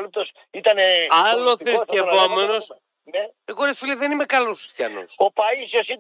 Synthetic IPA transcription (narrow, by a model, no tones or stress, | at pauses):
lut̪os | it̪ɐneɐloθɾiskevomenos | n | eɣoɾesfiliðenimekɐlosist̪jɐ̰no̰sopɐisosi